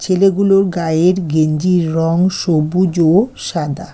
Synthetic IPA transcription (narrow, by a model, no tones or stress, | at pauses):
t͡ɕʰeleɡuloɾɡaeɾɡeɲd͡ʑiɾɾɔŋʃobud͡ʑoʃad̪a